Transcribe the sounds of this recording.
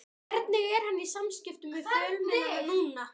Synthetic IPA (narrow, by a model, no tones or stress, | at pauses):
ɛɾt̪nɪɣɛɾ̥hanːisamscɪft̪ʏmvɪðfjœlmɛnuːna